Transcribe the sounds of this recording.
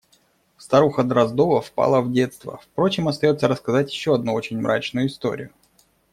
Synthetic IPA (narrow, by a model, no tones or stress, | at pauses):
fst̪ɐɾuxəd̪ɾɐzd̪o̞vəfpa̰lˠəvdʲe̞t̪st̪və̰fpɾo̞t͡ɕɪmɐst̪ɐjo̞t̪səɾəskɐzatʲjɪɕːo̞ɐd̪̚nuo̞t͡ɕɪnʲmɾʔa̰t͡ɕnʊjʊɪst̪o̞̰ɾʲɪ̰jʊ